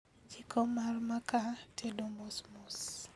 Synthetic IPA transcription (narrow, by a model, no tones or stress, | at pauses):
t͡ʃikʰɔmarmakatʰedomosmos